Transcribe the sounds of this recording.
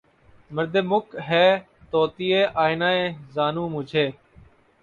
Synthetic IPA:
məɾd̪eːmʊkɦɛː | t̪oːt̪iːeːʔaːɪnaːẽːzaːnũːmʊ̃d͡ʒʱeː

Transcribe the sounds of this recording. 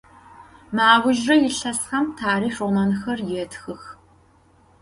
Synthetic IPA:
maːʁʷʊʒrɐjɪɬɐsχɐmtʰaːriːʂʊnɐnɨxɐrjɛːtxɨx

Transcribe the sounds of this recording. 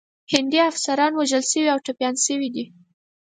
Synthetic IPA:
hɪnd̪iafsaɾɑnwaʒəlʃəwiawʈapjɑnsəwid̪i

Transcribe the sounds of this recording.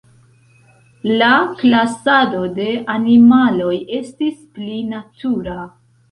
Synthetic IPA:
laklasado̞de̞animalo̞je̞stisplinatʰuɾa

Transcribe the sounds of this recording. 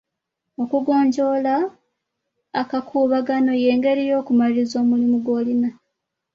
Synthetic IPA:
o̞kuɡo̞ːɲɟo̞la | kakʰuːβaɡano̞je̞ːŋɡe̞ɾijo̞ːkumalizo̞ːmulimuɡwo̞ːlina

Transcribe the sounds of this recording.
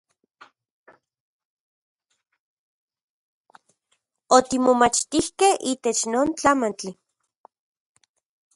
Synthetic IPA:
ot̪imomat͡ʃt̪ihkehiːt̪et͡ʃnoːnt͡ɬamant͡ɬi

